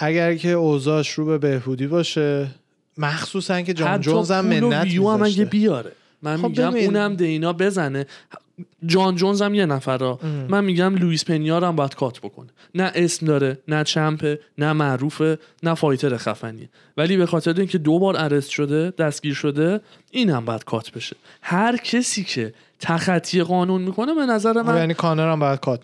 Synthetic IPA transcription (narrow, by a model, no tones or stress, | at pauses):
ʔæɟæɾcʰe̞ozɒʃɾuːbebehbuːd̪ibɒːʃe | mæxxsuːsænced͡ʒɒhæt̪d͡ʒːoɔnzæmːeɾonijuːæmæɟebijɒːɾe̞ | mænmiːɟæmːnæmd̪einɒːbe̞zæne̞ | d͡ʒɒːnd͡ʒo̞nzæmje̞næfæɾɒːmænmiɟæmluispʰe̞nijɒːɾæmbɒːjæd̪̥kʰɒːt̪ʰb̥o̞kʰo̞̰ne | næʔe̞smd̪ɒːɾe̞næt͡ʃʰæmpʰenæmæʔɾuːfe̞ | næfɒːjt̪ʰe̞ɾexæ̰fæ̰nḭe | væliːbe̞xɒːt̪ʰe̞ɾeiːŋcʰe̞d̪obɒːɾæɾesʃo̞d̪e̞d̪̥æst̪ɡ̥iːɾʃo̞d̪e̞ | iːnæmbɒːjæd̪̥kʰɒːt̪ʰbe̞ʃe̞̥hæɾcʰe̞siːcʰe̞ | t̪ʰæxæt̪ʰːie̞ɣɒːnunmiːkʰo̞ne̞be̞næzæɾe̞mæjænikʰɒːnɑɾæmbɒːjæd̪̚kʰɒːt̪̚